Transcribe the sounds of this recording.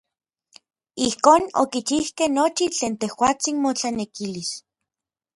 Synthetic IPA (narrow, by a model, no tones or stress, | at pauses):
ihkoːno̰kit͡ʃihkehnot͡ʃit͡ɬeːnt̪ehwaːt͡sinmot͡ɬanekilis